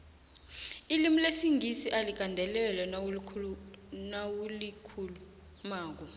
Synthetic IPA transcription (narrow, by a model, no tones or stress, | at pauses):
ilimulesiŋɡisiʔalik̬ʼandʱɛlɛlɛnʰ | nawulikʰulu | maːk̬ɔ